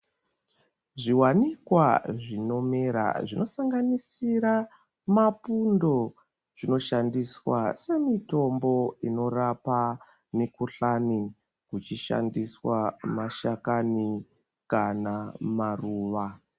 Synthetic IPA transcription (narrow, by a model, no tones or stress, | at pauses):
ʐiwanikwaʐino̞meɾa̰ʐino̞saŋɡanisiɾa | mapundo̞ | ʐ̥ino̞ʃandiswase̞mito̞mbo̞ino̞rapa | mikuɬani | kut͡ʃiʃa̰ndiswamaʃakani | kanamaruːʋa